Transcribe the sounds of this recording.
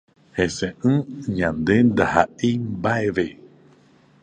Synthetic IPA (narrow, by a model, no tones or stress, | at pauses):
hesẽʔɨ̃ɲãnd̪end̪aha̰ʔimbaeβe